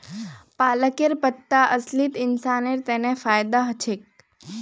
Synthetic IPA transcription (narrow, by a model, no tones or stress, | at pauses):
paləkeɾpət̪ːaʔəslit̪ɪnsaneɾt̪enefajd̪aɦət͡ʃʰek̚